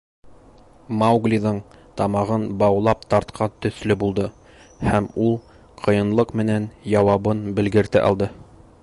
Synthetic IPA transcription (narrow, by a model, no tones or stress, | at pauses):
mawɡlʲiðɤɴt̪ɑmɑʁɤnbɑwlˠɑp̚t̪ɑɾt̪qʰɑt̪ɵ̆θlɵbulˠd̪ɤ | hæmulˠ | qʰɤ̆jɤ̆nlˠɤqmɘ̆nænjɑwɑβɤnbɘ̆lɡɘ̆ɾt̪ɘʔɑ̰lˠd̪ɤ